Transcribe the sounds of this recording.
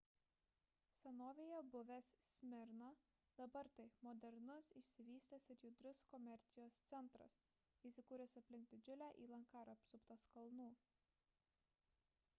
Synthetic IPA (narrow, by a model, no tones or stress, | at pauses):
sʲɛnoːʋʲeːjɛbʊʋʲɛssʲmʲɪɾnɑ | d̪̥ɐbɐɾt̪ɐɪmɔːd̪ʲɛɾnʊsɪʃʲsʲɪʋʲiːsʲt̪ʲɛsɪɾjʊd̪ʲɾʲʊskɔmʲɛɾʲt̪sʲɪjoːst̪sʲɛnˑt̪ɾɐ̰s | iːsʲɪkuːɾʲɛsɐpʲlʲɪŋk̚d̪ʲɪd͡ʒʲʊlʲæːʔḭːlˠɐŋkɑːɾɐpsʊpt̪ɐskɐlˠnuː